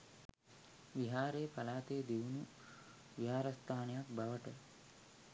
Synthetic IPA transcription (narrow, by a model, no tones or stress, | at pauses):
ʋiɦaːɾejpɐlaːt̪eːd̪eʋunu | ʋiɦaːɾɐst̪ʰaːnɐjak̚bɐʋəʈə